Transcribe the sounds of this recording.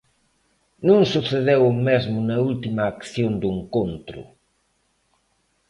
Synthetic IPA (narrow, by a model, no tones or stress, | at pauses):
nũŋsuθeðewʊmezmʊnɐult̪imɐːkθjond̪ʊeŋkont̪ɾʊ̰